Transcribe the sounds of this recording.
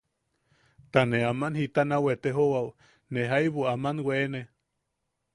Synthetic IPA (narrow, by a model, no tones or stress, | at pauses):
t̪aneamanhit̪anawet̪eɦowaw | neɦajβuamanweːne